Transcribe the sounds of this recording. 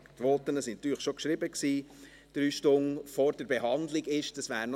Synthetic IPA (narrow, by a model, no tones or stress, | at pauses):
tʋɔt̪ənəsɪntːyːχʃokʃɾɪbəksiː | d̪̥ɾyːʃtʊŋfɔɾdəɾbeɦɑnd̪lɪɡɪʃd̥əsʋæːɾn